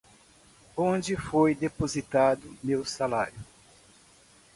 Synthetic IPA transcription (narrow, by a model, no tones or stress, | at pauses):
õd͡ʒɪfojd̪epozit̪ad̪ʊmewsalaɾjʊ